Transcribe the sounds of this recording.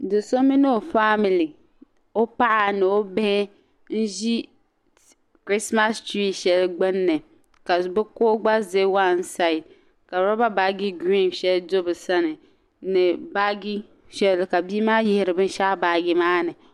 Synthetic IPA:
dɨ˨so˦mi˦no˦˨fa˦mi˨li˨ | o˦pa˦ʔa˨nɨ˨o˦bɛ˦hɛ˦ | n̩˦ʒi˦ | kɾi˦sma˦sti˦ʃɛ˨lɡ͡bɨ˦nːɨ˨ | ka˨bɨ˦koː˦ɡ͡ba˦ze˦wa˦n˦sa˨ɪ˨d | ka˨ɾɔ˦ba˦ba˨˦ɡi˦ɡi˦˨mʃɛ˦ldo˦bɨ˨sa˦nɨ˨ | nɨ˨ba˦ɡi˦ | ʃɛ˦lka˨biː˦maː˦jɪ˦hɪ˦ɾɨ˨bɨ˦n˦ʃa˦ʔba˨˦ɡi˦maː˦nɨ˨

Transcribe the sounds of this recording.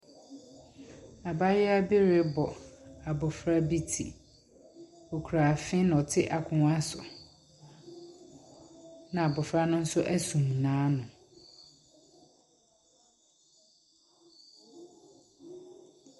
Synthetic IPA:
a˨ba˦jɪ˦a˦bi˦ɾe˦bɔ˨a˨bɔ˨fɾa˦bi˦tʰḭ˨ | o˨kʰu˨ɾa˨fɪ̃˦ñ˨ɔ˨tʰɪ˦ʔa˨kʰʊ̃˨ŋ˦a˦sʊ̰˨ | nã˨a˨bɔ˨fɾa˦nʊ̃˦n̩˦sʊ˦ʔæ˦sũ˨m˨nãː˨˦nʊ̃˨

